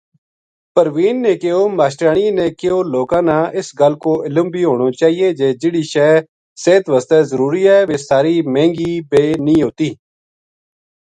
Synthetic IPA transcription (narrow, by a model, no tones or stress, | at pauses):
pəɾʋiːnːẽːkɪoːmaːʃʈɾaːɳiːnẽːkɪoːloːkãːnãːʔɪsɡəlkoːʔɪləmbʱiːɦoːɳ̃oːt͡ʃaːɦiːeːd͡ʒeːd͡ʒɪɽiːʃɛː | seːt̪ʋəst̪ɛːzəɾuːɾiːɛːʋeːsaːɾiːmẽːŋɡiːbeːnĩːɦoːt̪iː